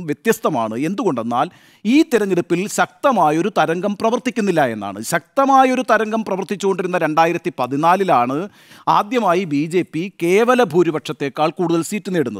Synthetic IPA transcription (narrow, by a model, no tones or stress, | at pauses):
mʋjet̪jɐst̪ɐma̰ːɳɨe̞nd̪uɣo̞ɳɖe̞nːaːl | iːt̪ːiɾɐɲːiɽupːilɕɐk̚t̪ɐmaːjo̞ɾut̪ɐɾɐŋɡɐmprɐʋɐrt̪ikʲːunːilːɐe̞nːa̰ːɳɨ̰ɕɐk̚t̪ɐmaːjo̞ɾut̪ɐɾɐŋɡɐmprɐʋɐrt̪it͡ɕːuɣo̞ɳɖiɾunːɐɾe̞ɳɖaːjiɾɐt̪ːipɐðinaːlilaːɳɨ | a̰ːd̪jɐmaːjibiːd͡ʑe̞ːpːike̞ːʋɐlɐbʱuːɾibɐʈʂɐt̪ːe̞ːkːaːɭkuːɽuðɐlsiːtːuneːɽunːɐðɨ